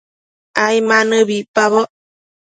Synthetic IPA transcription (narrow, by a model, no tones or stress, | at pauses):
ajmanəbipaβɔ